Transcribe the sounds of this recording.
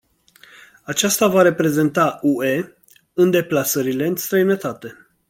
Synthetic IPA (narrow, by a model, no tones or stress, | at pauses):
at͡ʃast̪avaɾe̞pɾe̞ze̞nt̪aʔue̞ | ɨnd̪e̞plasəɾile̞ɨnst̪ɾəjnət̪at̪e̞